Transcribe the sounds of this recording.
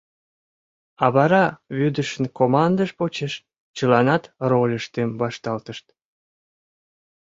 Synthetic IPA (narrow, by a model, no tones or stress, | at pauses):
ɑβɑɾɑβyd̪əʃənkomɑnd̪əʃpot͡ɕeʃ | t͡ɕəlɑnɑt̪rolʲəʃt̪emβɑʃt̪ɑlt̪əʃt̪